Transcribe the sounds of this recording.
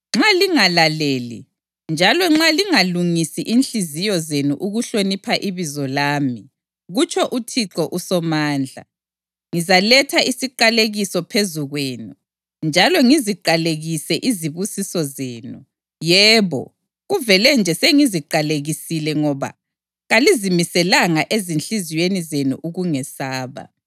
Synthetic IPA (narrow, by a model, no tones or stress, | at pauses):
ŋ͡ǁaliŋalaleːlḭ | nd͡ʒʱalɔŋ͡ǁaliŋaluŋisiʔinɬizijɔzenuʔuɣuɬonipʰaʔiβizɔlaːmi | ɣut͡ʃʰʼɔʔutʰiǁɔʔusɔmaːnd͡ɮʱa̰ | ŋizalɛtʰaʔisiǃaleɣisɔpʰezuɣweːnu | nd͡ʒʱalɔŋiziǃaleɣisɛʔiziβusisɔzeːnu | jɛːβɔ̰ | ɣuvɛlɛnd͡ʒʱɛseŋiziǃaleɣisilɛŋɔβa̰ | ɣalizimisɛlaŋaʔezinɬizijenizenṵʔuɣuŋɛsaːβa̰